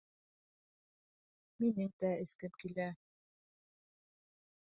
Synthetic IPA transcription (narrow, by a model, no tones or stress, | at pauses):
minɘŋt̪æɘ̆skɘmkilæ